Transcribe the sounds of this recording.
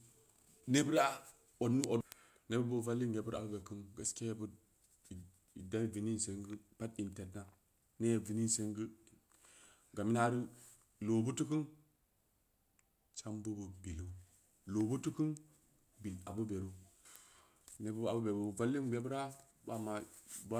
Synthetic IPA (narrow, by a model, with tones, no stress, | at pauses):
ne˦bu˦ɾa˦ | o˨dnu˦ʔo˨ | ne˦bu˦bu˦va˦lːi˦je˨bu˦ɾa̰˨bu˦be˨ki˦nɡa˦skʲe˦je˦bu˦d | i˨da˦˨vi˨ni˦n˨se˨˦ŋɡə˦pa˦ti˨nte˨tna˦ | ne˦je˨vi˨ni˦se˦ŋɡi˦ | ɡa˨mi˦na˦ɾi˦ | lo˨bu˦tu˦kɨ˦n | t͡ʃa˦mbu˦bu˨bi˨lu˦ | lo˨bu˦tu˦kɨ˦n | bi˨la˨bu˦be˨ɾu˦ | ne˦bu˦a̰˨bu˦be˨bu˨va˦lːi˦ŋbe˦bu˦ɾa˦ | ba˦ma˨ba˦